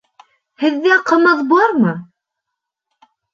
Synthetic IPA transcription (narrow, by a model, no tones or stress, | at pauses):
hɘ̆ðːæqə̆mɤðbɑɾmɤ